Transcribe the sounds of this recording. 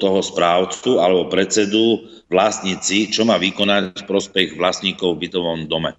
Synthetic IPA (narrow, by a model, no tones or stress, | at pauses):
t̪ɔɦɔspɾaːʊt͡sualɛbɔpɾɛt͡sɛd̪u | ʋlasɲit͡sit͡ʃɔmaːʋikɔnacfpɾɔspɛɣʋlasɲiːkɔʊvbit̪ɔʋɔmd̪ɔmɛ̰